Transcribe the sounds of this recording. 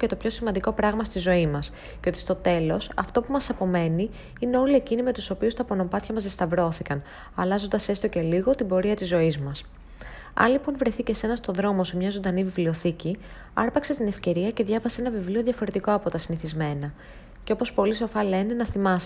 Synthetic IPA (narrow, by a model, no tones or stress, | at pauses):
cet̪o̞pço̞simɐnd̪iko̞pɾɐɣmɐst̪izo̞imɐs | ceo̞t̪i̥st̪ot̪e̞lo̞sɐ̰ft̪o̞pumɐsɐpo̞me̞ni | ine̞o̞liecinime̞t̪uso̞piust̪ɐpo̞no̞pɐt̪çɐmɐzðest̪ɐvɾo̞θikɐn | ɐlɐzo̞nd̪ɐse̞st̪o̞ce̞liɣo̞t̪ibo̞ɾiɐt̪izːo̞izmɐs | ɐ̰nlipo̞nvɾeθice̞se̞nɐst̪o̞ðɾo̞mo̞semɲɐzod̪ɐnivivlio̞θici | ɐ̰ɾpɐkset̪ine̞fce̞ɾiɐce̞ðʝɐvɐseenɐvivlio̞ðʝɐfo̞ɾe̞t̪iko̞ɐpo̞t̪ɐsiniθizme̞nɐ | ceo̞po̞spo̞liso̞fɐle̞nenɐθimɐs